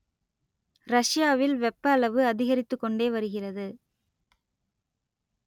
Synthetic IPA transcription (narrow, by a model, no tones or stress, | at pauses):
ɾɐʂɪjaːʋɪlʋɛpːɐːɭɐʋɯɐðɪɣɐɾɪt̪ːɯkːɔɳɖeːʋɐɾɯɣɪrɐðɯ